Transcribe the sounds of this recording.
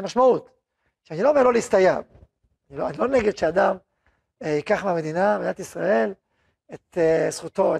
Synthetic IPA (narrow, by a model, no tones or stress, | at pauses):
maʃmaut̪ | ʃeanilo̞ːme̞lo̞leist̪ajav | niloanilo̞neɡed̪ʃead̪am | hikaχmeame̞d̪inabed̪inat̪isʁae̞l | et̪esχut̪o̞e